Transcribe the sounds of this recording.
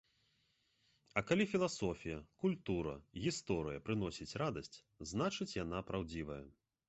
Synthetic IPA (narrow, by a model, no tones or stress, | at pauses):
ɐkalʲifʲilˠasɔfʲijɐkulʲt̪uɾɐ̰ɣʲist̪ɔɾɨjɐpɾɨnɔsʲit͡sʲɾad̪ɐsʲt͡sʲ | znat͡ʂɨt͡sʲjan̪apɾawd͡zʲivɐjɐ